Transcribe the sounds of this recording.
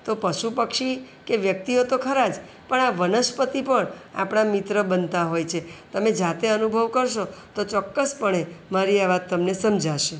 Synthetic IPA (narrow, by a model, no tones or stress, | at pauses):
t̪opəʃupəkʃi | keʋjək̚t̪iot̪okʰəɾad͡ʒ | pəɳaʋənəʃpət̪ipəɳa̰pɳ̃amɪt̪ɾəbənt̪aɦojt͡ʃʰet̪əmed͡ʒat̪eənubʱəʋkəɾʃot̪ot͡ʃɔkːəspəɳ̃emaɾiaʋat̪ːəmnesəmd͡ʒʱaʃe